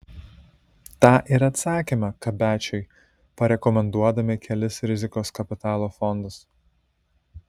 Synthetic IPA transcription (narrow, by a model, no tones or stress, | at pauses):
t̪ɑːʔiɾɐt̪sɑːkʲimɐkɐbʲæːt͡ʃʲɛɪ | pɐɾʲɛkɔmʲɛnd̪uɔd̪ɐmʲɪkʲɛlʲɪsɾʲɪzʲɪkoːskɐpʲɪt̪ɑːlˠoːfɔnd̪ɐs